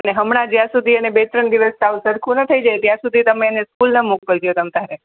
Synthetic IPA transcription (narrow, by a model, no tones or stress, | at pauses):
əneɦəmɳad͡ʒjãsud̪ʱiənebet̪ɾəɳd̪iʋəstausəɾkʰunət̪ʰəid͡ʒaet̪jãsud̪ʱit̪əmeneskulnəmuk̚kəld͡ʒijot̪əmt̪aɾe